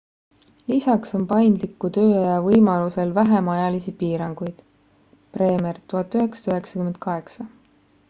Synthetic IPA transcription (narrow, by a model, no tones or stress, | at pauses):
lisɑkso̞npɑjnd̪likːˑut̪ø̞ːɑjɑvɤjmɑluse̞lvæɦemɑjɑlisipiːɾɑŋɡ̥ujd̪̥ | pre̞ːmert̪uɦɑt̪ːˑyɦe̞ksɑ̥t̪yɦe̞ksɑkyme̞nd̪̥̚kɑɦe̞ksɑ